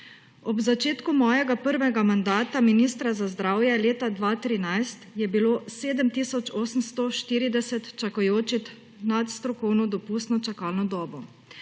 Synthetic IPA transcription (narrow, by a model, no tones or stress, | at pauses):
ɔbzat͡ʃeːt̪kumɔːjɛɡapəɾʋɛɡamand̪aːt̪aminist̪ɾazazd̪ɾaːwjɛleːt̪ad̪ʋaːt̪ɾinajst̪jɛbiloːseːd̪əmt̪isɔt͡ʃɔːsəmst̪ɔʃt̪iːɾid̪ɛsɛt̪t͡ʃakɔjoːt͡ʃit̪ | nat̪st̪ɾɔkɔwnɔd̪ɔpust̪nɔt͡ʃakaːlnɔd̪ɔːbɔ